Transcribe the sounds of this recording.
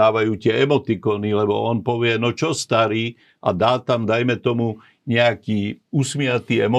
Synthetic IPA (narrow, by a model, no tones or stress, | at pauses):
aːʋajuːt̪ɪɛɛmɔt̪ikɔnilɛbɔɔnpɔʋɪɛnɔt͡ʃɔst̪aɾiː | ʔad̪aːt̪amd̪ajmɛt̪ɔmu | ɲɛakiːusmɪat̪iːɛmɔ